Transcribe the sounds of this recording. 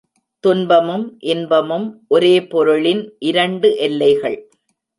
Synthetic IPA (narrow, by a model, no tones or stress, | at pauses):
t̪ʊnbɐmɯmʔɛnbɐmɯmʔɔɾeːpɔɾɯɭɪnʔɪɾɐɳɖɯʔɛlːɐɪɣɐɭ